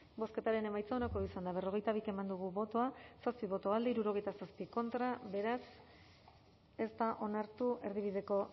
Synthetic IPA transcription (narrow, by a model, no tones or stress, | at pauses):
bo̞ske̞t̪aɾe̞ne̞majt͡saonakoisand̪aβe̞ro̞ɣ̞e̞jt̪aβike̞mand̪uɣ̞uβo̞t̪o̞asaspiβo̞t̪o̞ald̪eiɾuɾo̞ɣ̞e̞jt̪asaspiko̞nt̪ɾaβe̞ɾas | e̞st̪aʔo̞naɾt̪uʔe̞ɾðiβ̞iðe̞ko̞